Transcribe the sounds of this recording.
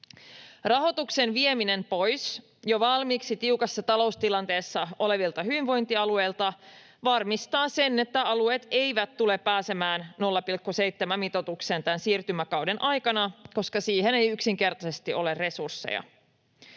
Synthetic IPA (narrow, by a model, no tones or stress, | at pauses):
rɑɦo̞t̪uksenʋiemine̞mpo̞js | joʋɑlmiːksit̪iukɑsːɑt̪ɑlo̞ust̪ilɑnt̪e̞ːsːɑo̞le̞ʋilt̪ɑɦyʋiɱʋo̞jnt̪iɑlue̞jlt̪ɑ | ʋɑrmist̪ɑːse̞nːe̞t̪ːæɑlue̞ːt̪e̞jʋæt̪t̪ːule̞pːæːse̞mæːnno̞lːɑpilkːuse̞jt̪ːemæmːit̪o̞t̪ukse̞ːnt̪ænsiːrt̪ymækɑwde̞nʔɑjkɑnɑko̞skɑsiːɦe̞ne̞jyksiŋk̟e̞rt̪ɑse̞st̪iʔo̞le̞re̞sursːḛjɑ̰